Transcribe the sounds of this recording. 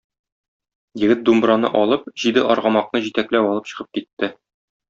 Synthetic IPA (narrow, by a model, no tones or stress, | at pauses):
jɘ̆ɡɘt̪̚d̪umbɾɑnɤ̰ʔɒlˠɤp̚ʑid̪ɘʔɒɾʁɑmɑq̚nɤʑit̪æklæwɒlˠɤpɕɤ̆ʁɤp̚kit̪ːɘ